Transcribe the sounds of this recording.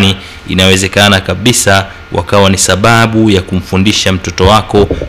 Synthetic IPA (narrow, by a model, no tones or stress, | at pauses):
ni | ḭnawɛzɛkanakaɓisa | wʔa̰kawanisaɓaɓujakum̩fundiʃam̩tɔtɔwakɔ